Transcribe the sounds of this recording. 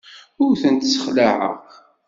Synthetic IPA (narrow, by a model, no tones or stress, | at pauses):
ʊɾθənt̪sːə̥χlaʕə̰ʁ